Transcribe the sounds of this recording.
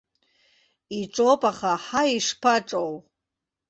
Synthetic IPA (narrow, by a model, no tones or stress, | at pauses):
iʈ͡ʂʼopʼaχaħaiʂpʰaʈ͡ʂʼow